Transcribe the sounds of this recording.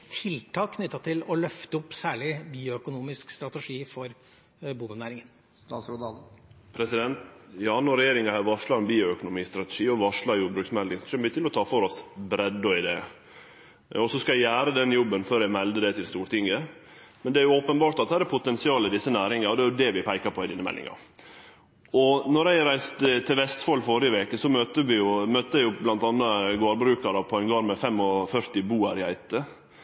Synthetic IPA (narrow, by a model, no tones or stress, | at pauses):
t̪ʰɪlt̪ʰɑːkːʰnʏt̪ːɑt̪ʰɪlɔlœft̪əʊpːsæːɭɪbiːʊœkʊnuːmɪskst̪ɾɑt̪ɛʂiːfɔɾ | buːd̪ənæːɾɪŋən | t̪ɑːsɾʊd̪ɑpʰɾɛsɪd̪ɛnt̪jɑnɔɾɛjeːɾɪŋɡɑhæɾʋɑʂlɑɾɛnbiːʊœkʊnʊmiːst̪ɾɑt̪ɛ̥ʂiːɔʋɑʂɭɑɾjuːbɾʉːksmɛld̪ɪŋsɔsɛmbyːt̪ʰɪlɔt̪ʰɑːfɔɾɔsbɾɛd̪ɔɪd̪ɛː | ɔsɔskɑæɪjæːɾəd̪ɛnjɔbːənføːɾæɪmɛld̪əd̪ɛt̪ʰɪlst̪uːɾʈ̪ɪŋːə | mɛnd̪ɛæɾjʊoːpənbɑːʈt̪ɑt̪̚æːɾæpʰʊt̪ɛnsɪɑːlɪd̪ɪsːənæːɾɪŋɑɾɔd̪ɛæɾjʊd̪ɛʋɪpʰæɪkɑpʰɔɪd̪ɪnəmɛ̰lːɪ̰ŋɑ̰ɾ | ɔnɔɾæɪɾæɪst̪t̪ʰɪlʋɛst̪fɑlːfɔɾɪəʋeːkəsɔmøt̪əʋɪjʊmœt̪ːəæɪjʊblɑnt̪ɑnːɑɡoːɾbɾʉːkɑɾɑpʰɔænɡɑːɾmɛfɛmːɔfœɾt̪ɪbuːɑɾɪhæ̰ɪt̪ə